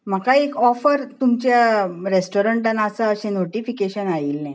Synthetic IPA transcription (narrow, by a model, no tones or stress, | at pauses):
m̤akaekɔfəɾt̪umt͡ɕjaɾesʈoɾəɳʈãnːaəsəəɕẽnoʈifikeɕənajiːlnɛ̃